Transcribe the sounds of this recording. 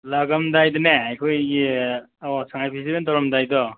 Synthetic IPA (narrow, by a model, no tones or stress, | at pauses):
laɡamdajdɔneajkʰojɡi | ɔsaŋajpʰis̬ibentɔɾɔmdajdɔ